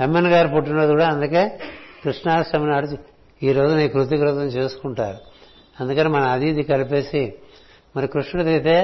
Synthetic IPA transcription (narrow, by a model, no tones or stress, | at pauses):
emːenɐɡaːɾpuʈ̬ːunɐd̪ikuːɽaːɐnd̪uke̞ːkɾuʂɳaːɐsɐmɐnaːɽut͡ʃ | iːɾo̞ːd͡ʒuniːkɾut̪̬iɡɾut̪ɐmt͡ʃe̞ːsu̥kuɳʈaːɾu | ɐnd̪ukɐnimɐnɐɐd̪id̪ikɐlipe̞ːsi | mɐɾikɾuʂɳɐɽt̪iit̪e̞ː